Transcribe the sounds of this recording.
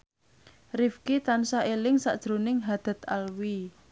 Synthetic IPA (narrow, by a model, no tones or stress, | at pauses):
rifkit̪ansaʔelɪŋsa̰ʔd̥ʒ̥ɾo̤nɪŋɦad̪̥a̤t̪alwi